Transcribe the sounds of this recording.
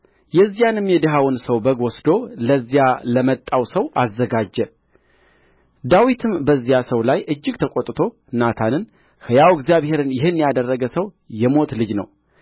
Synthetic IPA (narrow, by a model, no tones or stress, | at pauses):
jɛzːijanɨmjɛd̪ɨɦawɨnsəwbəɡwɔsd̪o̞ləzːijaləmət̪ʼːawsəwazːəɡad͡ʒːɛ | d̪awit̪ʰɨmbəzːijasəwlajʔɨd͡ʒːɪɡt̪ʰəkʼot̪ʼt̪ʰo̞ | nat̪ʰanɨn | hɨjawɪɡzijaβhe̞ɾɨnjɪhɨnːjad̪ərːəɡəsəw | jɛmo̞t̪lɨd͡ʒnə̰w